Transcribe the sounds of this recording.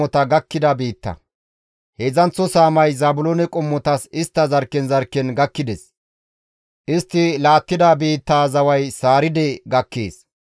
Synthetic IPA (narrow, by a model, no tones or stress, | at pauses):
ɔt̪ɐɡɐkːɪd̪ɐbiːt̪ːɐ̰ | hezɐnt͡sːɔsaːmɐjzaːbʊlonɛkʼʊmːɔt̪ɐsɪst̪ːɐzɐɾkːɛnzɐɾkːɛnɡɐkːɪd̪ɛs | ʔɪst̪ːɪlaːt̪ːɪd̪abiːt̪ːaːzɐwɐjsaːɾɪd̪ɛɡɐkːḛːs